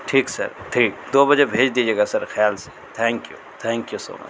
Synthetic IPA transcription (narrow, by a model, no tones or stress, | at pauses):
ʈʰiːksɐ̰ɾʈʰiːkd̪oːbɐd͡ʒebʱeːd͡ʒd̪iːd͡ʒieːɡasɐɾxjaːlse̥ | t̪ʰɛ̃ːŋkjṵt̪ʰɛ̃ːŋkjuso̰ːmə̰t͡ʃ